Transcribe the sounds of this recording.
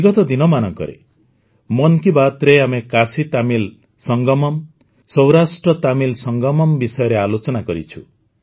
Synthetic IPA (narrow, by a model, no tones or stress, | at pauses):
biɡɔt̪ɔd̪inɔmanɔŋkɔ̰ɾḛ | mɔnkibat̪ɾeamekasit̪amil | sɔŋɡɔmɔm | sɔwɾasʈɾɔt̪amilsɔŋɡɔmɔmbisɔjɔɾealot͡ʃɔnakɔɾḭt͡ʃʰṵ